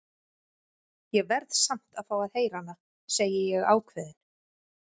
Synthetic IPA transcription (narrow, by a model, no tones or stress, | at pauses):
jɛɣvɛɾðsam̥t̪aðfaːwaðheːjɾanːa | seːjɪjɛɣaːwkʰvɛːðɪn̥